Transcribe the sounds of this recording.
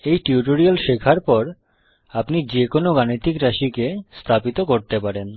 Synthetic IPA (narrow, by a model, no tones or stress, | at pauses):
ejʈiuʈoɾialʃekʰaɾpɔɾ | apnid͡ʑekonoɡanit̪ikɾaʃikest̪ʰapit̪okoɾt̪epaɾen